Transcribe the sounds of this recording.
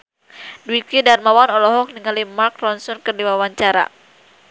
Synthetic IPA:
dwikidarmawanɔlɔɦɔk̚niŋalimarkrɔnsɔnkərdiwawaɲt͡ʃaɾa̰

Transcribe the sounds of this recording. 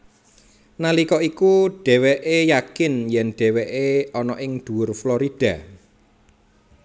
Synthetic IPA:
nalikɔikuɖ̥ɛ̤wɛʔejakɪnjɛnɖ̪̥ɛ̤weʔeɔnɔʔɪŋd̪̥ṳwʊrfloɾid̪̥ä̤

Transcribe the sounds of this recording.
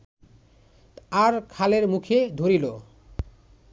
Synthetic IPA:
aɾkʰaleɾmukʰed̪ʱoɾilo

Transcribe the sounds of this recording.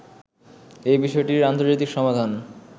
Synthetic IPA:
ejbiʃɔeʈiɾant̪oɾd͡ʑajt̪ikʃɔmad̪ʱan

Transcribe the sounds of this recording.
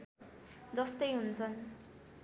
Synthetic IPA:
d͡zʌst̪ʌjɦunt͡sʰʌn

